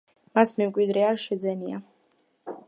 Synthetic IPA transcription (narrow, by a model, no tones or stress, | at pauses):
masmɛmkʼwid̪ɾɛaɾʃɛd̪zɛnia